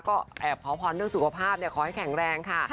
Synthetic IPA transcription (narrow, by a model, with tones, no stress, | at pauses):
kɔː˥˩ʔɛː˨˩p̚kʰaː˨˦wpʰɔː˧nːɯ˥˩əŋsu˨˩kʰa˧pʰaː˥˩p̚ni˥˩kʰɔː˨˦ha˥˩jkʰɛ˨˩˦ŋɾɛː˧ŋkʰa˥˩